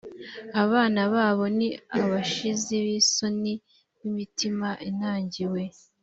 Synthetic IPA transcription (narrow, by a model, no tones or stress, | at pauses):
aβaːnaβaːβo̞niaβaʃizeβiso̞ni | βimitimaʔin̥aːɲɟiwe̞